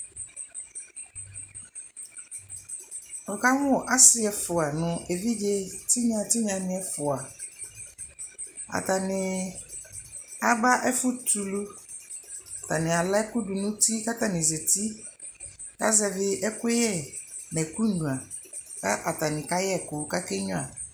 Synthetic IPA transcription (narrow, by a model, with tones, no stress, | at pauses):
ɔ˨ka˦mʊ̃˦ɔ˨ʔa˦sɪ˦ɛ˨fʊ˨a˨nʊ̃˨e˨vi˦d͡ʒe˦tʰɪ˦ɲã˨tɪ˦ɲã˨nɪ̃˦ɛ˦fʊ˨a˨ | a̰˨ta˨nɪ̃˨ | a˨ba˦ʔɛ˦fʊ˦tʰu˨lu˦ | a˨ta˨nɪ̃˨a˨la˦kʊ˦du˨nʊ̃˦tʰi˦ka˦ta˨nɪ̃˨ze˨tʰi˦ | ka̰˦zɛ˨vɪ˦ʔɛ˦kʊ˦jɛ˦nɛ̃˨ku˦n̩˦nũ˨a˨ka˦ʔa˨ta˨nɪ̃˨ka˦jɛ˦˨kʊ˨ka˦kɛ˦ɲʊ̃˦a˨